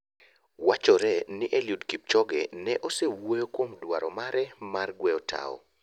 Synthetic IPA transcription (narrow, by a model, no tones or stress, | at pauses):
wat͡ʃɔɾɛnɪʔeljudkip̚t͡ʃɔɡɛnɛʔosewojokwomdwaɾɔmaɾɛmarɡwɛɔtʰa̰ɔ̰